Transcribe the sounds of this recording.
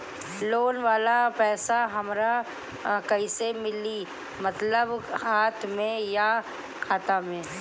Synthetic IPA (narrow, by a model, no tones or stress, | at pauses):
loːnʋaːlapɛːsaɦɐmɾa | kɐisemɪli | mɐt̪ləbhaːt̪ʰmẽja | kʰaːt̪amẽː